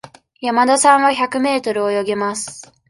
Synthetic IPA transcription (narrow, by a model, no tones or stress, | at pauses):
jamad̪asãɰ̃βaçakɯ̟me̞ːt̪o̞ɾɯ̟ojo̞ɡemasɨ̥